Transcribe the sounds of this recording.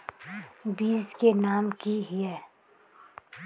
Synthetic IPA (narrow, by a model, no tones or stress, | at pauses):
biːzkenaːmkiɦɪɛː